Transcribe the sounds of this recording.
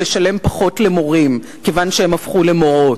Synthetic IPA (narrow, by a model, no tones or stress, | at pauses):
eʃale̞mpaχo̞tle̞mo̞ʁim | kevanʃeemafχule̞mo̞ʁo̞t